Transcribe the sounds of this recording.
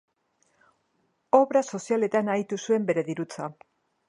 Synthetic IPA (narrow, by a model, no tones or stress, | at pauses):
o̞βɾaso̞siale̞t̪anajt̪usue̞mbe̞ɾe̞ðiɾut͡sa